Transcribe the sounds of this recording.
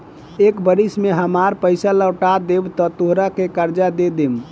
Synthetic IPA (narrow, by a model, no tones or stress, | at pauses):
ekbəɾismeɦəmaɾpəɪsaləwʈad̪ebt̪ɔt̪oɦɾakekəɾd͡ʒad̪ed̪em